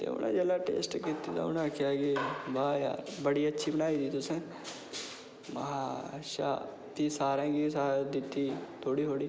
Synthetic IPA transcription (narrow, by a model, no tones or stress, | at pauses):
t̪ḛːʊ̰nʔã̰ːd͡ʒelaːʈḛːsʈkit̪it̪ã̰ːʊnãakʰɪjaːkebaːja̰ːɾbəɽiːətːʃʰiːbəɽaːiːd̪iːt̪ʊsẽː | mãʃa̰ː | t̪iːsaːɾɛ̃ːɡisaːd̪ɪt̪ːiːt̪ʰoːɽiːɦoːɽiː